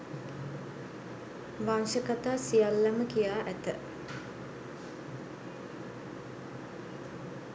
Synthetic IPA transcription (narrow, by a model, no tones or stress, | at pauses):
ʋanʃəkat̪aːsijalːaməkijaːʔæt̪ə